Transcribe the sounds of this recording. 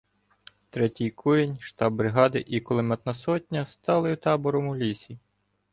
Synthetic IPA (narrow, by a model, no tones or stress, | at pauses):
t̪ɾɛtʲijkʰuɾʲenʲʃt̪ɑbːɾɪɦɑd̪ɪʔikɔlˠɪmɛt̪nɐsɔtʲnʲɐst̪ɑlˠɪut̪ɑbɔɾɔmʊlʲisʲi